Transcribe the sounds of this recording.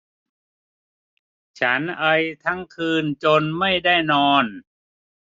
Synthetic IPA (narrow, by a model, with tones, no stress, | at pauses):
t͡ɕʰa˦˥nʔa˧jt̪ʰa˦˥ŋkʰɯː˧nt͡ɕo˧nma˥˩jda˥˩jnɔː˧n